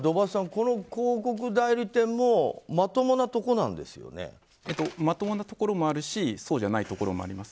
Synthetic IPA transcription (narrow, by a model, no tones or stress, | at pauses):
d̪o̞basãŋko̞no̞koːko̞k̬ɯ̟d̪aiɾʲɯt̪ẽ̞mːo̞mat̪o̞mo̞nat̪o̞ko̞nãnd̪e̞̰sɨjo̰nḛ | et̪omat̪o̞mo̞nat̪o̞ko̞ɾo̞mo̞aɾɯ̟ɕiso̞ːʑanait̪o̞ko̞ɾo̞mo̞̰a̰ɾʲimasɨ̥